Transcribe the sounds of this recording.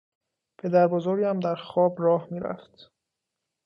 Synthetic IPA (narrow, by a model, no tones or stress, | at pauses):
pʰe̞d̪æɾbozoɾɟæmd̪æɾxɒːbɾɒːhmiːɾæ̰ft̪